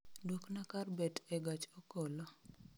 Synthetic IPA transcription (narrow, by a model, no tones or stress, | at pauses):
dwoknakarbɛtɛɡat͡ʃokolo